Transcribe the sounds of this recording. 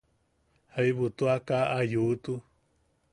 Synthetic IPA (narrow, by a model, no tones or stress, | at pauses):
haiβut̪uakaʔajut̪u